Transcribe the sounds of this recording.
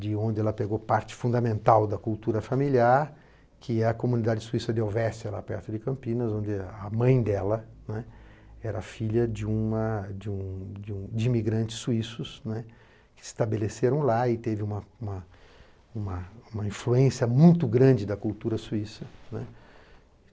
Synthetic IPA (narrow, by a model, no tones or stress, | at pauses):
d͡ʒɪõnd͡ʒ̪ɪɛlɐpeɡopaɾt͡ʃɪ̥fũd̪ɐmẽnt̪awd̪ɐkult̪uɾɐfamiliaɾ | kʰɪɛɐkomũnid̪ad͡ʒɪsuisɐd̪ɪawvɛst͡ʃɐla̰pɛ̰ɾt̪ʊd͡ʒɪkɐ̃mpĩnɐzõnd͡ʒɪɐmɐ̃j̃d̪ɛlɐnɛ | ɛɾɐfiʎɐd͡ʒɪũmɐd͡ʒɪũd͡ʒɪũd͡ʒɪimiɡɾɐ̃nt͡ʃɪ̥sːuisʊsnɛ | kɪɪst̪abeleseɾɐ̃w̃laɪt̪evɪũmɐũmɐ | ũmɐũmɐĩfluẽsiɐmũj̃t̪ʊɡɾɐ̃d͡ʒɪd̪ɐkuwt̪uɾɐsuisɐnɛ̃